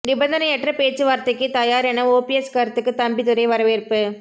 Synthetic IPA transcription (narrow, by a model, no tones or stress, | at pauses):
nɪbɐnd̪ɐnɐɛʈrɐpeːt͡ʃːɯʋaːɾt̪ɐkːɯt̪ɐjaːɾɛnɐoːpiɛskɐɾɐt̪ːɯkːɯt̪ɐmbit̪ɯɾɐɪʋɐɾɐʋɪːɾɯpːɯ